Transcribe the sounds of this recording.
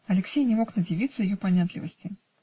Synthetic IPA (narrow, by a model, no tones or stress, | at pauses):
ɐlʲɪksʲejnʲɪmo̞knədʲɪvʲit̪sːəjɪjopɐnʲat̪lʲɪvəsʲtʲɪ